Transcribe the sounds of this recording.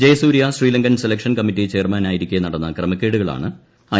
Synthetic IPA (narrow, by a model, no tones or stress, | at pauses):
d͡ʑejsuːɾijasriːlɐŋɡɐnselɐkʂɐnkɐmːitːiet͡ɕe̞ːrmaːnaːjiɾikʲːujɐnɐɽɐnːɐkrɐmɐkʲːeːɽuɣɐɭa̰ːɳɨ | ɐ